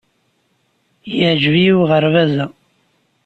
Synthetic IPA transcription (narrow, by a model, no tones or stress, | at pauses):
jəʕd͡ʒvijiwʁəɾvæzæ